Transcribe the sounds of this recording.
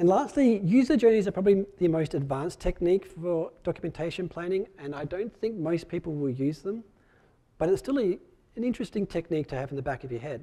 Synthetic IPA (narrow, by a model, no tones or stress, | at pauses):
ɨ̃nlæstˡlijʉzə˞d͡ʒɜ˞nizə˞pʰɹ̥ɑbəbliðɨmoʊstɨdvæ̃nstʰɛk̚nikfə˞d̥ɑkjəmɨ̃ntʰeɪʃɨ̃npʰl̥æ̃ñɪ̃ŋɨ̃naɪdõʊ̃nθɪ̃ŋk̚moʊspʰipl̩ˠwədjʉzðə̃m | b̥ʌɾɨtstɪlˠɨ | ɨ̃nɪ̃nt͡ʃɹ̥ɨstɪ̃ŋtʰɛk̚nik̚tʰɨːvn̩ðɨbækʌvjə˞ɦɛd̥